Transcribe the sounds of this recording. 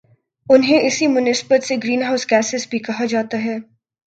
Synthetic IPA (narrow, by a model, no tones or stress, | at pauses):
ʊnɦẽɪsimʊnɪsbət̪seɡɾiːnɦaʊskɛːsɪsbʱikɐɦad͡ʒaːt̪aɦɛː